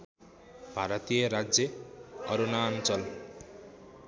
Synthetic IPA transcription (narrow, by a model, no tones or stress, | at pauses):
b̥ʱaɾʌt̪ijʌɾad͡zjʌʌɾunaːnt͡sʌl